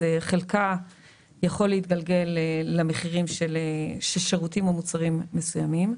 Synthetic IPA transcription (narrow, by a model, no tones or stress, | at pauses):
eχe̞lka | jaχo̞lːeit̪̚ɡalɡe̞leːame̞χiʁimʃeleʃelʃeʁutimomut͡saʁimːe̞sujamim